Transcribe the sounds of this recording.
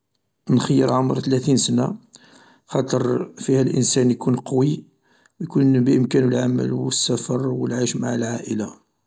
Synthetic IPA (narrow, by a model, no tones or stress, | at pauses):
nxəjːəɾˤʕoməɾˤt̪læt̪insəna | xɑt̪ˤəɾˤfihælʔə̰nsænjkunqɑwi | wjkunbəʔəmkænwəlʕamə̰lwəsːæfɑɾˤwəlʕiʃmaʕalʕaʔəla